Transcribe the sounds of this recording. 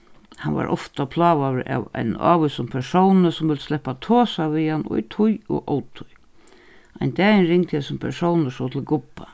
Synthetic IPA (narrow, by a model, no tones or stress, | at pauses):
hanva̰ɾʔɔft̪apʰlaːʋaʋɪɾa̰wa̰jna̰ːʋʏsʊmpʰɛsownəsʊmvɪlt̪st̪lɛhpːat̪ʰoːsaviːhan̰ːt̪ʰʊjɔ̰ɣʔɔːwt̪ʰʊj | aɪjnt̪ɛːjɪnɾɪŋt̪hɪsʊmpʰɛɾsɔwnəsɔwt̪ʰɪlɡʊpːa